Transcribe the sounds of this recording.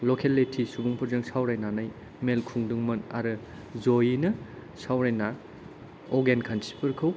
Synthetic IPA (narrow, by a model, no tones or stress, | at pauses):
lokʰelːetʰisubuŋpʰɯɾzɯŋsawɾajnanaj | melkʰuŋduŋmɐnaɾɯ | zojinɐ | sawɾajna | ɔɡenkʰansi̥pʰɯɾkʰɯw